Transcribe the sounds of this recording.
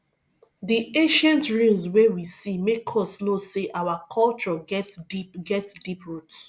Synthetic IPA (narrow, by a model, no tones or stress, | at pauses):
diẽʃɛ̃ntɹũmswewisimekʰɔsnoseʔawakʰɔlt͡ʃɔɡɛtdiɡɛtsdipɹut